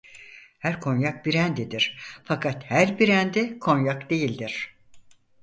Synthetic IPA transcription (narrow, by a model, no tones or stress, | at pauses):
hæɾkʰo̞njak̚biɾænd̪ed̪iɾ̥fakʰat̪hæɾbiɾænd̪ɛkʰo̞njakd̪e̞jilʲd̪iɾ̥